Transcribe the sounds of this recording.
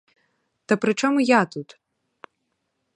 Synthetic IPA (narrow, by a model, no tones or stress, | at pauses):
t̪ɐpɾɨt͡ʂɔmujat̪ut̪